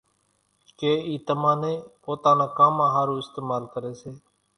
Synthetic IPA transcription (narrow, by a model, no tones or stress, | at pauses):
keːiːt̪əmãːnẽːpoːt̪ãːnãːkaːmãːɦaːɾũːɪst̪eːmaːlkəɾeːseː